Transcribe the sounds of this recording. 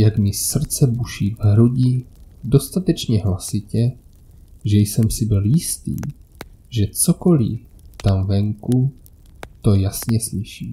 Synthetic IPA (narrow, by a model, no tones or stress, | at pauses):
jakmɪr̩t͡sɛbuʃivɦɾuɟido̞st̪at̪ɛt͡ʃɲɛɦlasɪcɛ | ʒɛjsɛmsɪbɪljɪst̪ḭːʒɛt͡soko̞lḭt̪amvɛŋku | t̪o̞jasɲɛslɪʃiː